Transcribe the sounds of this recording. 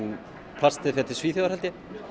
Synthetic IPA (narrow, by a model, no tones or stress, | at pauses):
pʰlast̪ɪðfɛt̪ɪ̥sviːθœɣaɾhɛlt̪jɛ